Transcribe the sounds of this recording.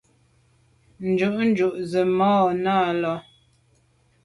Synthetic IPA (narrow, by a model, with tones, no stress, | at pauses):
n̩˨d͡ʒu˦˨ʔn̩˦d͡ʒu˨ʔzə˨mɔː˦naː˦˨lɔ˦